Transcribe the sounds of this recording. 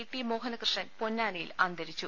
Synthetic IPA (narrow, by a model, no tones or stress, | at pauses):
ʈːimo̞ːɦɐnɐkrɨʂɐnpo̞nːaːnɐjilɐnd̪ʱɐɾit͡ɕːu